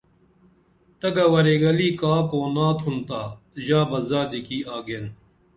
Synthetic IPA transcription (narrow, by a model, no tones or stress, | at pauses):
t̪ɐɡɐwɐɾeːɡɐliːkaːpoːnãːt̪ʰunt̪aː | ʑaːbɐzaːd̪ikiːaːɡen